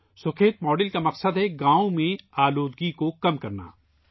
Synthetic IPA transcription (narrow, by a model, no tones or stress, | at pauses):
sʊkʰeːt̪̚mɔːɖɪlkamɐqsəd̪ɦɛɡãːõmẽaːloːd̪ɡikokɐmkɐɾna̰ː